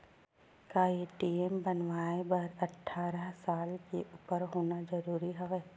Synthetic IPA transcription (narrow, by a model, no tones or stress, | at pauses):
kaːeʈiːembənʋaːebɐɾɐʈʰːaːɾəɦsaːlkeʔupəɾɦoːnad͡ʒəɾuːɾiɦɐʋɛː